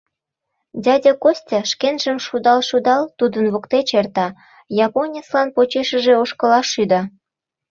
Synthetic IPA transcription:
dʲɑdʲɑkosʲtʲɑʃkenʒəmʃud̪ɑlʃud̪ɑlt̪ud̪ənβokt̪et͡ɕert̪ɑ | jɑponʲeslɑnpot͡ɕeʃə̆ʒeoʃkɤ̆lɑʃːyd̪ɑ

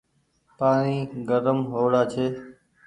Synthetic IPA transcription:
paːɳ̃iːɡəɾəmɦoːɽaːt͡ʃʰeː

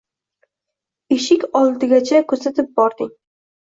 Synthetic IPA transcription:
eʃɪkʲɒlˠd̪ɪɡʲat͡ʃʰakʰɵɾsat̪ʰɪp̚bɒɾd̪ɪŋ

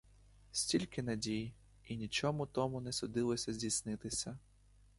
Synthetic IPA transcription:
sʲtʲilʲkɪnɐdʲij | inʲit͡ʃɔmʊt̪ɔmʊnɛsʊd̪ɪlˠɔsʲɐzʲdʲijsnɪt̪ɪsʲɐ

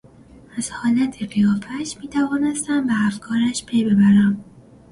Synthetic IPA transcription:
æz̥hɒːlæt̪ʰeɢijɒːfæʃmiːt̪ʰævɒːnest̪æmbeæfkʰɒːɾæʃpʰe̞jbe̞bæɾæm

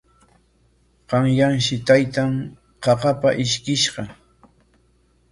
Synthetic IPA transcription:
qɑŋjaŋʃɪt̪ajt̪am | qɑqɑpaʔɪʃkɪʃɢɑ

